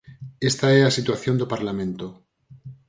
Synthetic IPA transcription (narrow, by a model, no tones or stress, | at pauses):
est̪aeasit̪waθjo̞nd̪opaɾlamẽnt̪o